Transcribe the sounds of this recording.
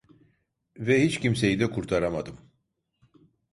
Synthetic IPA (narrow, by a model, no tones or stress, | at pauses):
vɛhit͡ʃcims̬e̞jid̪ɛkʰuɾt̪ʰaɾamad̪ɯm